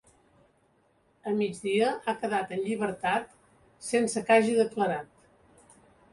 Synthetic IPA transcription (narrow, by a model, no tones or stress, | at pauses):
əmid͡ʒðiəʔakəðat̪ənʎiβəɾt̪at̪ | sensəkaʒiðəkləɾat̪